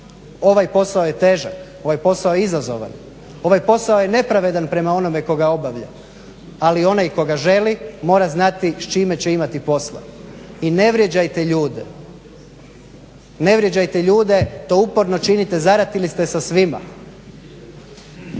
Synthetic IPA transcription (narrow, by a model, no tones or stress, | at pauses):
o̞ʋajpo̞saojet̪e̞ːʒako̞ʋajpo̞saojeizazo̞̰ʋa̰n | o̞ʋajpo̞saoje̞ne̞pɾaʋe̞d̪anpɾe̞mao̞no̞me̞ko̞ɡao̞baʋʎa̰ | alio̞najkoɡaʒe̞limo̞ːɾaznat̪iʃt͡ʃimet͡ɕeimat̪ipo̞slˠa̰ine̞ʋɾje̞d͡ʑajt̪eʎuːd̪e | ne̞ʋɾje̞d͡ʑajt̪eʎuːd̪e̞t̪oupoɾno̞t͡ʃinit̪e̞zaɾat̪ilist̪e̞sasʋima̰